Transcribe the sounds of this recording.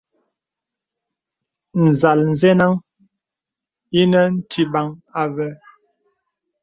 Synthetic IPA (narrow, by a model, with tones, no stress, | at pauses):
n̩˨za˨ln̩˨zɛ˦na˦ŋ | i˦nə˦n̩˦tʰi˨ba˨ŋa˨vɛ˦